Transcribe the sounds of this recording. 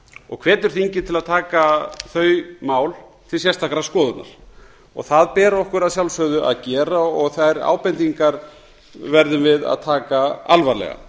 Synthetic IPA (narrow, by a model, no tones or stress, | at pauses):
ɔ̰ɣkʰvɛːt̪ʏɾ̥θiɲcɪt̪ʰɪlaðt̪ʰaːkaθœːɥmaːwlt̪ʰɪlsjɛst̪ʰakɾaskɔːðʏt̪na̰ɾ̥ | ɔ̰ɣθaðpɛːɾɔhkʏɾaðsjawlsœðʏʔa̰ðcɛːɾaɔɣθajɾa̰ːwpɛnt̪iŋkaɾ | vɛɾðʏmvɪða̰ðt̪ʰaːkaalvaɾlɛ̰ɣa̰